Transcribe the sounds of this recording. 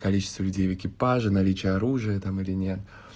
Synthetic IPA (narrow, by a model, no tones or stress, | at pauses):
kɐlʲit͡ɕɪ̥st̪vəlʲʉdʲejvɪkʲɪpaʐɨnɐlʲit͡ɕɪjəɐɾuʐɨjət̪amɨlʲɪnʲet̪